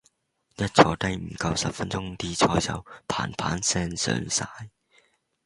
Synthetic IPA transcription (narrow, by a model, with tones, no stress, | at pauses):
jɐ˥t̚t͡ʃʰɔː˨˧˥t̪ɐ˥jm̩˨˩kɐ˧wsɐ˨p̚fɐ˥nt͡sʊ˥ŋt̪iː˥t͡ʃʰɔː˧jsʰɐ̰˨˧wpʰa̰ː˨˩npʰa̰ː˨˥nsɛː˧ŋsœ̰ː˨˩ŋsa̰ː˧j